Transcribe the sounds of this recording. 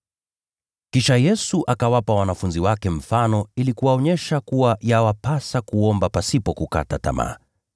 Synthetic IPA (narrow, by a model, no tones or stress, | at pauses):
kiʃajɛsuʔakawapawanafunziwakɛm̩fanɔilikuwaɔɲɛʃakuwajawapasakuɔmbapasipɔkuka̰tata̰ma̰ː